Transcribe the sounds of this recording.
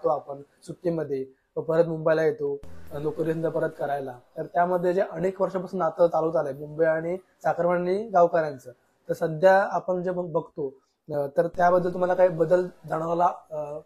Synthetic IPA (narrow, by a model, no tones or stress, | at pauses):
t̪oapəɳsuʈːimːəd̪ʱːje | əpəɾət̪mumbəjlajet̪onokɾiənd̪əpəɾət̪kəɾajlat̪əɾt̪jaməd̪ʱːjed͡zeʔəɽ̃ekʋəɾʂapasuːnat̪ət͡saluːt͡salemumbəjaɽ̃i | sakɾəməɳniɡaʋkaɾjant͡sə | t̪əɾsəd̪ʱjaːpəɳd͡zebəbʱəɡt̪o | t̪əɾt̪jabəd̪ʱːəlt̪um̤alakaɦiːbəd̪əld͡zaɽ̃aʋla